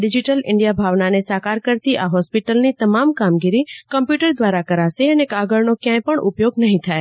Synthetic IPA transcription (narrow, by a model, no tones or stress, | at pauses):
ɖɪd͡ʒɪʈəlɪ̰̃ɳɖijabʱaʋnanesakaɾkəɾt̪iʔaɦɔspɪʈəlnit̪əmamkamɡiɾikə̃mpjuʈəɾd̪ʋaɾakəɾaseənekaɡəɭnokjãẽpəɳʔʊ̰pjoɡnəɦĩt̪ʰae